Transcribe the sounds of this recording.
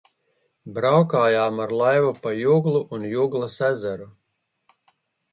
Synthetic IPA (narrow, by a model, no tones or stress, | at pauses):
bɾawkaːjaːmaɾlˠajvupajuɡlˠuʔunjuɡlˠasæzaɾu